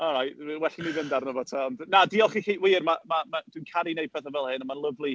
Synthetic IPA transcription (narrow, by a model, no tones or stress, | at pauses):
ɔlˠɾajtwɛɬinivɪndarnəvɔ̥tʰəɔndnadiɔlˠχikʰiːʔwiːrmamamad̥winkʰaɾinejpʰɛθəvɛlˠhɪnəmanlˠəvlˠi